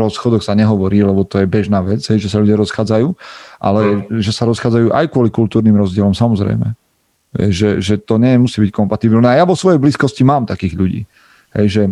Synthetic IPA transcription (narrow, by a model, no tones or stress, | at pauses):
ɾɔsxɔd̪ɔxsaɲɛɦɔʋɔɾiːlɛbɔt̪ɔjɛbɛʒnaːʋɛd͡zɦɛjʒɛsaʎuɟɪaɾɔsxaːd͡zajuːʔa̰lɛʒɛsaɾɔsxaːd͡zajuːʔa̰jkʊɔlikult̪uːɾniːmɾɔzɟɪɛlɔmsamɔzɾɛ̰jmɛ̰ | ɦɛ̰jʒɛʒɛt̪ɔɲɛɛmusiːbickɔmpat̪ibilnɛajaʋɔsʋɔjɛjbliːskɔscimaːmt̪akiːɣʎuɟḭː | ɦɛ̰jʒɛ